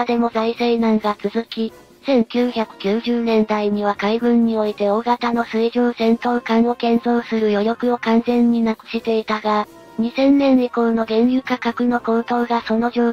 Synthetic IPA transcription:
d̪e̞mo̞zaiseinãŋɡat͡sɨzɨkʲi | sẽ̞ŋkʲɨːçakɯ̟̥kʲɨːʑɨːnẽ̞nd̪aiɲ̟iβ̞akaibɯ̟̃ɲ̟ːio̞it̪e̞o̞ːɡat̪ano̞sɨiʑoːsẽ̞nt̪o̞ːkãɰ̃o̞kẽ̞nzo̞ːsɨɾɯ̟jo̞jo̞kɯ̟o̞kãnzẽ̞ɲ̟ːinakɯ̟̥ɕit̪e̞it̪aɡa | ɲ̟isẽ̞nːẽ̞nʲikoːno̞ɡẽ̞ɰjɯ̟kakakɯ̟no̞ko̞ːt̪o̞ːɡaso̞no̞ʑoː

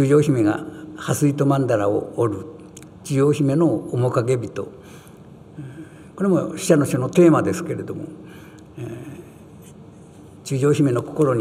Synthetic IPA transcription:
ɨːʑo̞ːçime̞ɡa̰hasɨit̪o̞mãnd̪aɾao̰ːɾɯ | t͡ɕiʑoːçime̞no̞ːmo̞kaɡe̞bʲit̪o̞̰ | ko̞ɾe̞mo̞̰ɕi̥ɕanoɕionot̪e̞ːmad̪e̞sɨ̥ke̞ɾe̞d̪o̞̰mo̞̰ | t͡ɕɨːʑo̞ːçime̞no̞ko̞̥ko̞ɾo̞ɲi

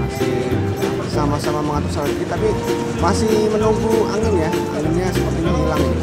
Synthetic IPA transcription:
asɪ | bəsamasamaməŋat̪usaladiit̪api | masɪhmənoɡua̰nənjaa̰lumɲasəpərt̪iniilaŋ

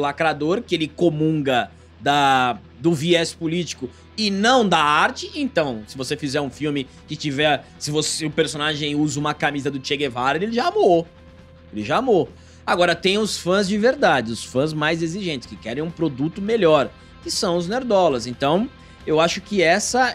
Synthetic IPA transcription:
lakɾad̪oɾkɪelɪkomũŋɡɐ | d̪ɐ | d̪ʊviɛspʊlit͡ʃi̥kʊ | ɪnɐ̃w̃d̪aaɾt͡ʃɪʔẽnt̪ɐ̃w̃sɪvosefizɛɾũfiwmɪ | kɪt͡ʃivɛɾsɪvosɪʊpeɾsonaʒẽj̃uzɐũmɐkamizɐd̪ʊt͡ʃeɡevaɾelelɪʒaamo | elɪʒaːmo | aɡɔɾɐt̪ẽj̃ʊsfɐ̃zd͡ʒɪveɾd̪ad͡ʒɪʊsfɐ̃zmajzeziʒẽnt͡ʃ̪ɪ̥skɪkɛɾẽj̃ũpɾod̪ut̪ʊmeʎɔɾ | kɪsɐ̃w̃ʊzneɾd̪ɔlɐzẽnt̪ɐ̃w̃ | ewaʃʊ̥kɪɛsɐ

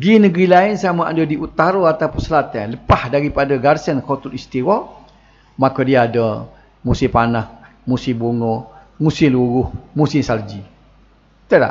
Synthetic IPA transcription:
ɡinəɡɾilaɪnsamaʔa̰dədiʔut̪aɾoat̪apunsəlat̪anləpahdaɾipadaɡarsənkot̪utist̪iwɔ | makadiaːdə | musɪpanah | musɪbuŋɔ | musɪluɾʊhmusɪmsald͡ʒi | t̪əla̰

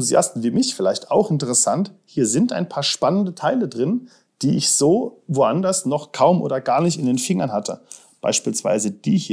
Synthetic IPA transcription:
uzia̰stn̩viːmɪçfɪlaɪçtaʊxɪntəʁ̞əsanthiːɐzɪnta̰ɪnpʰaːɐʃpanəndətʰaɪlədʁɪn | d̥iːʔɪçz̥oːvoʔandɐsnɔχkʰaʊmʔo̰ːdɐɡaːɐnɪçtɪndeːnfɪŋɐnhatʰə̰ | b̥a̰ɪʃpiːlsv̥a̰ɪzəd̥iːhiː

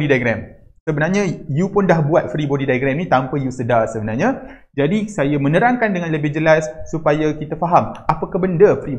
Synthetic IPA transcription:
didajɡɾɛm | səbənarɲajupʊndahbuat̪̚fɾibodidajɡɾɛmnĩt̪ampəjusədarsəbənarɲa | d͡ʒadisajamə̃nəɾaŋkandəŋãnləbɪhd͡ʒəlasːupajakit̪afaɦamapakabəndəfɾi

